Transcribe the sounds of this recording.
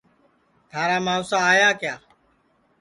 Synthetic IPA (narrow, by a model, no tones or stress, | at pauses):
t̪ʰaːɾaːmaːsaːaːjaːkɪjaː